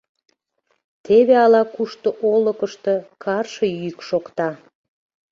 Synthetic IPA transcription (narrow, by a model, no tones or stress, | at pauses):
t̪eβeɑlɑkuʃt̪oʔoləkəʃt̪e̽kʰɑrʃəjyjəkʃokt̪ɑ